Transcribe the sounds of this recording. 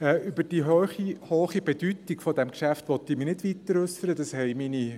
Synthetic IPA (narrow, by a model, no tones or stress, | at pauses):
ɛːybəd̥iɦøːχihoːχib̥ɛd̥ytiɡ̥fɔdɛmkʃæftʋɔt̪ːiminɪdʋit̪əɾʏsəɾəd̥ɑshɛɪmini